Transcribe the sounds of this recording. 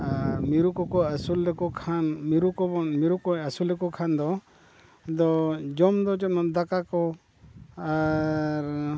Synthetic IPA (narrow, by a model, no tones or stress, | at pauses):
amiɾukɔkɔasulɛkɔkʰanmiɾukɔbɔmiɾukɔasulɛkɔkʰand̪ɔ | d̪ɔd͡ʒɔmd̪ɔd͡ʒɔmɔnd̪akakɔ | aɾ